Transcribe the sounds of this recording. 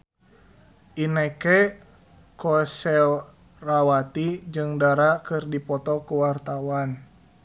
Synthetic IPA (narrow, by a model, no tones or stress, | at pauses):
ʔinɛkɛ | kɔsɛl | rawat̪id͡ʒɨŋdaɾakɨrdipɔt̪ɔkuwart̪awan